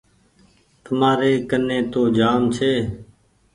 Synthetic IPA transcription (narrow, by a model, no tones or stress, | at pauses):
t̪əmaːɾeːkənːẽːt̪oːd͡ʒaːmt͡ʃʰeː